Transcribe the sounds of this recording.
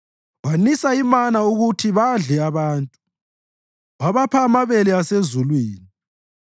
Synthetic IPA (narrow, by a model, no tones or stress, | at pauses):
wanisaimanauɣutʰiβaɮɛaβaːntʼu | waβapʰaːmaβɛlɛasezulwiːni